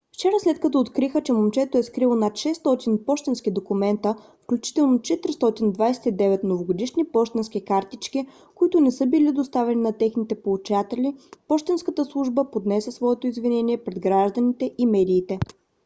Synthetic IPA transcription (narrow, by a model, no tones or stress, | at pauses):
ft͡ʃɛɾəslɛt̪̚kɐt̪ɔːt̪kɾixət͡ʃɛmomt͡ʃɛt̪oɛskɾilˠonat̪ʃɛst̪ɔt̪inpɔʃt̪ɛnsk̟id̪okumɛnt̪ə | fklʲut͡ʃi̥t̪ɛlˠnot͡ʃɛt̪ɾʲist̪ɔt̪ind̪vajsɛ̥t̪id̪ɛvɛt̪novoɡod̪iʃnipɔʃt̪ɛnsk̟ikaɾt̪it͡ʃki | kʊit̪ʊnɛsɤbilid̪ost̪avɛninɐt̪ɛxnit̪ɛpolˠut͡ʃat̪ɛlʲipɔʃt̪ɛnskət̪əslˠuʒbəpod̪nɛsʲəsvɔɛt̪oizvinɛniɛpɾɛd̪ɡɾaʒd̪ənit̪ɛʔimɛd̪iːt̪ɛ